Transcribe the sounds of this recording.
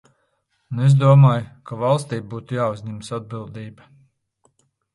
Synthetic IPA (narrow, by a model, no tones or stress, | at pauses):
nezd̪uɔmaːjkavɑlˠst̪iːbuːt̪ujaːuzʲɲɛmsad̪̚bilˠd̪iːba